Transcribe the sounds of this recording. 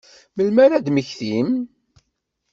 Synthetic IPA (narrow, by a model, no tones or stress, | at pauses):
məlmæɾæd̪məçθim